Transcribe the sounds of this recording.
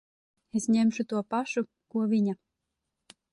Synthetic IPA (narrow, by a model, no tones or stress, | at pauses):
esɲemʃut̪uɔpaʃu | kuɔvʲiɲa